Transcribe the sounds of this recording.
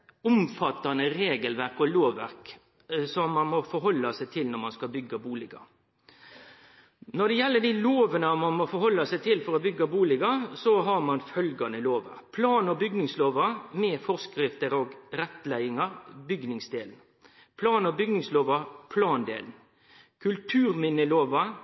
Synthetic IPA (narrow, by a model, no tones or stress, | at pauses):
ʊmfɑt̪ːɑnəɾeːɡəlʋæɾkɔloːʋːæɾk | sɔmːɑnmɔfɔɾɦɔlːɑsæɪt̪ʰɪlnɔɾmɑnskɑbʏɡɑbuːlɪɡɑ̰ | nɔd̪ɛjɛlːəɖ̪iloːʋənəmɑnmɔfɔɾhɔlːɑsæɪt̪ʰɪlfɔɾɔbʏɡːɑbuːlɪɡɑsɔɦɑɾmɑnfœlɡɑnəloːʋɑ̰pʰlɑːnɔbʏɡnɪŋsloːʋɑmɛːfɔskɾɪft̪əɾoɡɾɛt̪ːlæɪɪŋɑɾbʏɡnɪŋsd̪eːln̩ | pʰlɑːnɔbʏɡnɪŋsloːʋɑpʰlɑːnd̪ḛːln̩ | kʰʉlt̪ʰʉːɾmɪnəloːʋɑ